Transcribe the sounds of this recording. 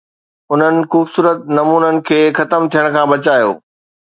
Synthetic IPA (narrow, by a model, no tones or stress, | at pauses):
ʊn̤ənɪ̆xuːfsuːɾət̪̚nɐmuːnənɪ̆kʰeːxɐt̪əmt̪ʰijəɽ̃kʰãːbɐt͡ɕaːjo̰ː